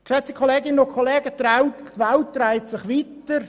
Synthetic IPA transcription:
kseːt̚d̥ikʰχoleːɡɪnəokʰoleːɡət̪raʊttʋalt̚draɪtsɪχʋitəɾ

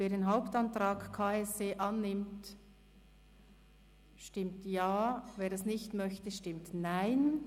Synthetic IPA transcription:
veːɐdeːnɦaʊptantɾaːkkʰaːɛsdeːʔanːɪmt | ʃtɪmtjaːveːɾdasnɪçtmœçtəʃtɪmtnaɪn

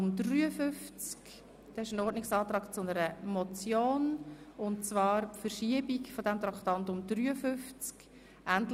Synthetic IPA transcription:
mdryːəfʏft͡sk | d̪̥ɛɪʃənɔːɾdnɪksɑːt̪ɾɑːkt͡sʊnəɾəmɔt͡sjoːnʊntt͡svɑːɾpfərʃiəbikfɔdɛmt̪ɾɑkt̪ɑntʊmd̥ɾyːəfʏft͡sk | ʔæntl

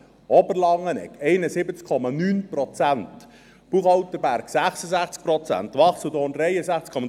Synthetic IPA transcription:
ɔbəɾlɑŋənɛ̰kɛɪnəsɪbət͡skʰːɔmɑnyːnprɔt͡sænt̪ | b̥uːχhɑwt̪əbæɾksæχsəzæχt͡sk̚pɾɔt͡sæ̰nt̪ʋɑχsədoːnɾɛɪəsæχt͡skʰɔm

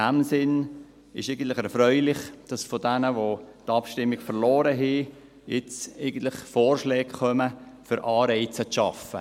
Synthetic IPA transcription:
æmsɪn | ɪ̰ʃɛɪɡən̩tlɪχɛɾfɾœʏlɪχd̥ɑsfodænəʋotɑpʃtɪmːɪɡfəɾlɔːɾəɦi | jɪt͡sɛɪɡ̥ən̩tlɪχfɔːrʃlɛːkχœməfʏɾʔɑːɾɛɪt͡səʃɑfə̰

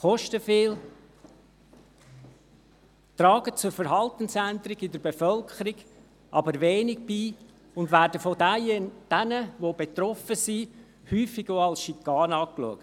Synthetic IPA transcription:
χɔʃtəfɪːl | t̪ɾɑːɡət͡sʊɾfəɾɦɑlt̪ənsænd̪ɾɪɡɪdəɾbefœlkʰχəɾiɡ | ʔɑbəɾʋeːnɪɡ̚biː | ʊndvæːɾdəfodd̥ænəʋobet̪rɔfəsi | hyːfɪɡoɑlsʃikːɑːnɑːkluəkt

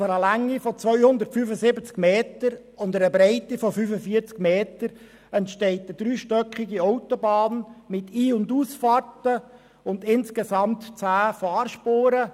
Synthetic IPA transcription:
fəɾəlæŋːifɔt͡sʋœʏhʊnd̪ərtfyfəsɪbət͡skmeːtəɾ | ʊnd̪əɾəbɾɛɪtifɔfyfəfiːt͡skmeːtəɾ | ɛntʃtɛɪtəd̥̪ɾyːʃtœkχɪɡiɔwtɔbɑːnmɪt̪ʰiːʊnduːsfɑrtə | ʊnd̪ɪnskesɑmt̪t͡sæːfɑːrʃpoːɾə

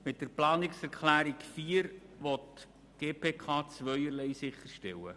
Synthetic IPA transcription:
mɪt̚dəɾplɑːnɪksɛɾkχlæːɾikfiːəɾʋɔt | ɡ̥eːpʰeːkʰɑːt͡sʋœʏəɾlɛjsɪχəɾʃtɛwə̰

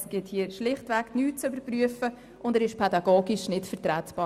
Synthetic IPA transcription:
sɡ̥ɪthiːəʃlɪχtʋɛknyːt̚t͡sybəɾpryəfə | ʔʊndɛːɾɪʃpʰɛdɑɡoːɡiʃnɪtfɛʁtɾɛːtb̥ɑː

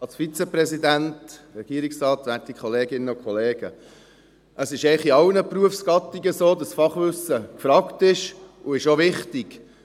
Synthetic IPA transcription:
ɑlsfit͡sɛprɛsidæntɾɛɡ̥iːɾiksrɑːtʋætikʰχɔleːɡɪnːəʊkχɔleːɡ̥ə | ʔəsɪʃɛɪχiɑlnəpruəfsɡ̥ɑt̪iɡəsoːdɑsfɑχʋʏsəkfɾɑːktɪʃʊɪʃoʋɪχtiɡ̥

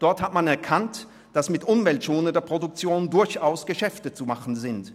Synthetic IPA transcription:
d̥ɔɐthatmanɛɐkʰant | d̥asmɪtʔʊmvɛltt͡soːnədeːɐpʁ̥odʊk̚t͡sjoːndʊɐçaʊsɡ̥əʃɛftət͡sumaχn̩zɪnt

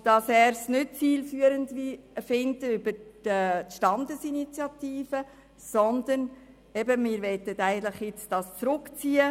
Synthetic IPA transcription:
d̥ɑsɛːɾsnʏt̚t͡siːlfyːəɾəndʋifɪndəybəɾətʃtɑndəsinit͡sjɑtiːfə | sɔnd̪ən | ɛbəmɪːɾʋɛtətæɪɡən̩t̪ləχjɪt͡sd̥ɑst͡sɾʊkt͡siːə

